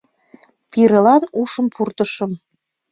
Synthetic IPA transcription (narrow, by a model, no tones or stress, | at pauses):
piɾə̆lɑnuʃəmpʰurt̪əʃə̆m